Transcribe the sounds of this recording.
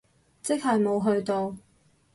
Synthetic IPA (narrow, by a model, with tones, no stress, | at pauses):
t͡sɪ˥k̚ɦɐ˨jmo˨˧wɦɵ˧ɥt̪o˨˧w